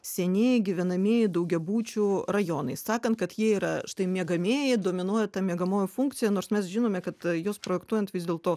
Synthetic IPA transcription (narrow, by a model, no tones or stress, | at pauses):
sʲɛnʲeːjɪɡʲɪʋʲɛnɐmʲiɛjɪd̪ɐʊɡʲɛbuːt͡ʃʲurɐjoːnɐɪssɑːkɐnt̪̚kɐt̪jiɛiːɾɐʃt̪ɐɪmʲiɛɡɐmʲeːjɪd̪oːmʲɪnuɔjɛt̪ɐmʲiɛɡɐmoːjofuŋkt̪sʲɪjɛnoːɾsmʲɛsʒʲɪnoːmʲɛkɐt̪joːspɾoːjɛkt̪uɔjɛnt̪ʋʲɪzd̪ʲeːlˠt̪oː